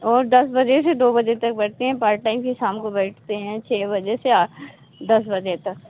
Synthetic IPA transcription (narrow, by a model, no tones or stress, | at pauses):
ɔːɾd̪ɐsbɐd͡ʒesed̪oːbɐd͡ʒet̪ɐk̚bɛɽt̪eɦɛ̃ːpaːɾʈʈaːɪmkisaːmkobɛːʈʰt̪eɦɛ̃t͡ʃʰeːbɐd͡ʒese | d̪ɐsbɐd͡ʒet̪ɐk